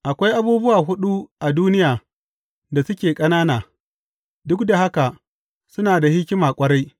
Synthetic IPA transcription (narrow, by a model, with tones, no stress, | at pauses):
ʔa˨kʷa˦jʔa˦buː˦bʊ˦waː˨ɦʊ˦ɗu˦ʔa˨duː˦nɪ˦jaː˨ | da˨sʊ˦kʲeː˨kʼɐ˦naː˦naː˨ | dʊ˦kda˨ɦa˦ka˨ | sʊ˦naː˨da˨hɪ˦kʲɪ˦maː˨kʷʼɐ˦ɾa˦j